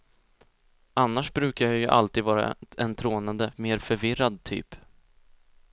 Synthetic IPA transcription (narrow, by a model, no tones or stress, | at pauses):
ʔanːaʂbɾʉ̟ːkaɾjajɵʔa̰lt̪iːd̪vɑːɾa̰ɛnt̪ʰɾoːnad̪əmeːɾfœɾvɪɾad̪̚t̪ʰy̰ːp